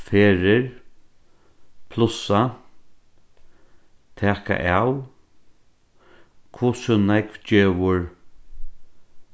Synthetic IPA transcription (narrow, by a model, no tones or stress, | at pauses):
feːɾɪɹ | pʰlʊsa | t̪ʰɛːka̰ʔaw | kʰvʊsʊnakd͡ʒeːʋʊɹ